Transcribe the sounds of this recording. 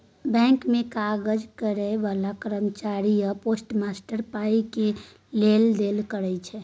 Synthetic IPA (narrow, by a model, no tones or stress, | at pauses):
bɛ̃ŋkmẽkaɡəd͡ʒkəɾɛʋalakəɾəmt͡ʃaɾijəposʈmasʈəɾpaike | leld̪elkəɾɛt͡ʃʰɛ